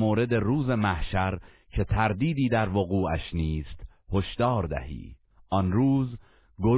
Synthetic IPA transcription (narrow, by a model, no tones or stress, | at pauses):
moːɾe̞d̪e̞ruːze̞mæhʃæɾ | cʰe̞t̪ʰæɾd̪iːd̪iːd̪æɾvoɣuːæʃniːst̪ | hoʃd̪ɒːɾd̪æ̰hḭː | ʔɒnɾuːz | ɡo